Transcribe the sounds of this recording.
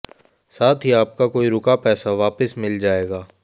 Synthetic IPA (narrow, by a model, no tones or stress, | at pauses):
saːt̪ʰɦiaːp̚kakoːiɾʊkapɛːsaʋaːpəsmɪld͡ʒaːeːɡaː